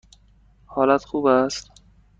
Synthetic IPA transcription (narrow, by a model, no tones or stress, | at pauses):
hɒːlæt̪xuːbæst̪